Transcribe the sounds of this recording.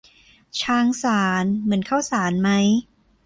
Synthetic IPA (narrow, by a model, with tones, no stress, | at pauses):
t͡ɕʰaː˧˥ŋsaː˩˦nmɯ˩˦ənkʰaː˥˩wsaː˩˦nma˦˥j